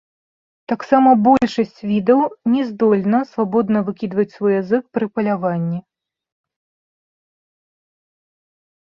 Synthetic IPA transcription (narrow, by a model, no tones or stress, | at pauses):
t̪aksamɐbɔlʲʂɐsʲt͡sʲvʲid̪ɐwnʲɛzd̪ɔlʲnɐsvabɔd̪nɐvɨkʲid̪vɐt͡sʲsvɔjazɨkpɾɨpɐlʲavanʲːi